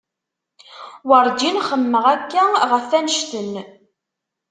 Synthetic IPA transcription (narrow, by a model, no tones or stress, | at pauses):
wəɾˤd͡ʒinχəmːəʁækːæʁəfːænəʃt̪ən